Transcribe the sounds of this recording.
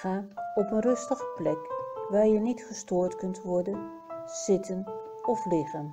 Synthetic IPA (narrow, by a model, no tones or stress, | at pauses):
aːɔpənrɵstəχəplɛkʋaːɹjənitχəstʊːɹtkɵntʋɔɹdən | z̥ɪtʰən | ɔflɪχən